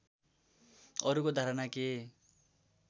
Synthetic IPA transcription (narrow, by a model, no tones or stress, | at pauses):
ʌɾukod̪ʱaɾʌnake